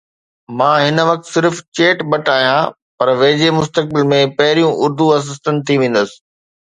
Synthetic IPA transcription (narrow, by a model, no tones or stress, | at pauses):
mãːɦɪnə̆ʋɐk̚t̪sɪɾft͡ɕeːʈbɐʈaːɦijã | pɐɾʋeːd͡ʑemʊst̪ək̚bɪlmẽpɐɦɪɾijũʔʊɾd̪uɐs̬ɪs̬t̪ənt̪ʰiʋẽːn̆d̪əsɪ̥̆